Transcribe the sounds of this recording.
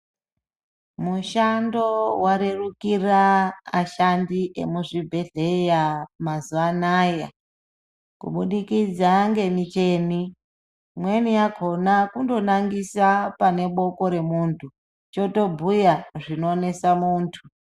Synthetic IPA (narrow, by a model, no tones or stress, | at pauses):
muʃando̞waɾe̞rukiraaʃandiʔe̞̰muʐibʱe̞ɮe̞jamazuanaːja | kṵɓuɗikid͡zaŋɡe̞mit͡ʃe̞ːni | mwe̞nijaɡʱo̞nakundo̞naŋɡisapane̞ɓo̞ko̞ɾe̞muːntʰu | t͡ʃo̞to̞bʱujaʐinoːne̞samuːntʰu